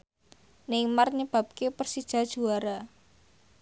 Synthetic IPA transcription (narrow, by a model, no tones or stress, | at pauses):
nɪŋmarɲəb̥a̤p̚kepərsid̥ʒ̥ä̤d̥ʒ̥ṳaɾa